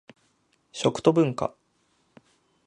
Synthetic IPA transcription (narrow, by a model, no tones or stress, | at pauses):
ɕo̞kɯ̟̥t̪o̞bɯ̟̃ŋka̰